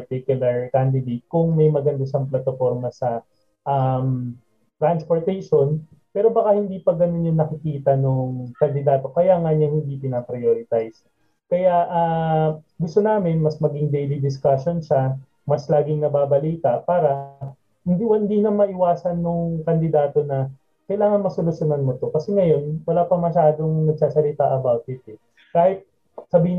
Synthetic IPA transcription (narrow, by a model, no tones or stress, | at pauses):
pɐt̪ikjʊlɐɹkand̪ɪd̪ejt̪̚kʊŋmɐjmɐɡɐnd̪ɐʃɐŋplɐt̪ofoɾmɐsɐ | ʔɐm | t̪ɾanspoɹt̪ɛjʃo̞n | pɛːɾo̞bɐkahɪnd̪iːpɐɡɐnonːjʊŋnɐkɪkiːt̪ɐnʊŋkɐnd̪ɪd̪aːt̪o̞kɐjaŋɐɲɐŋhɪnd̪ipɪnapɾɐjoːɾɪt̪ajs | kɐjaʔɐː | ɡʊst̪o̞naːmɪnmɐsmɐɡɪŋd̪ɛjlid̪ɪskaʃonʃɐ | mɐslaːɡɪŋnɐbaːbɐliːt̪ɐpaːɾɐ | hɪnd̪iwɐnd̪iːnɐŋmɐʔɪwaːsɐnːoŋkɐnd̪ɪd̪aːt̪o̞nɐ | kɐjlaːŋɐnmɐsolʊʃjonɐnmot̪o̞kɐsɛŋɐjo̞nwɐlaːpɐmɐʃaːd̪o̞ŋnɐɡ̚saːsɐlɪt̪aʔɐbawt̪̚hɪt̪̚ɛ | kaːhɪt̪̚ | sɐbiːhɪn